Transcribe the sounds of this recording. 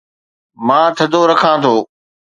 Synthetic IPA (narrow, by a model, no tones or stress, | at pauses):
mãːt̪ʰɐd̪ʱoɾɐkʰãːt̪ʰoː